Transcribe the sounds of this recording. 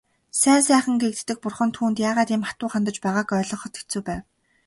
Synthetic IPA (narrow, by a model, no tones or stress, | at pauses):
sæːnsæːχə̆ŋɡek̚t̪ːɘ̆k̚pʊrχə̆nt̪ʰuːnt̪jaːʁaːt̪iːmχḁt̪ʊːχant̪ə̆t͡ɕpæːʁaːkœːɮɞ̆ɴχɞ̆t̪e̥t͡sŭːpæːw